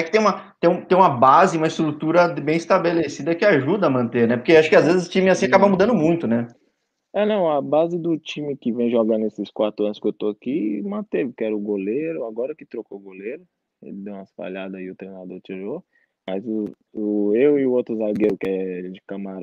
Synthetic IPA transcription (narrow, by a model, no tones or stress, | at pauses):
ɛkɪt̪ẽj̃ũmɐt̪ẽj̃ũt̪ẽj̃ũmɐbazɪũmɐɪst̪ɾut̪uɾɐbẽj̃ɪst̪abelesid̪ɐkɪaʒud̪ɐːmɐ̃nt̪eɾnɛpoɾkewaʃʊ̥kɪazvezɪzʊt͡ʃĩmɪasĩakabɐmud̪ɐ̃nd̪ʊmũj̃t̪ʊnɛ | ɛnɐ̃w̃ɐbazɪd̪ʊt͡ʃĩmɪkɪvẽj̃ʒoɡɐ̃d̪esɪskwat̪ɾʊɐ̃nʊskɪewt̪oakimɐ̃t̪evɪkɪɛɾʊɡoleɾʊaɡɔɾɐkɪt̪ɾokoɡoleɾʊ | ḛlɪd̪ew̃ɐsfa̰ʎad̪ɐɪʊt̪ɾej̃nad̪oɾt͡ʃiɾo | mɐzʊ | ʊewɪʊowt̪ɾʊzaɡeɾʊkɪɛlɪd͡ʒɪkɐmaɾ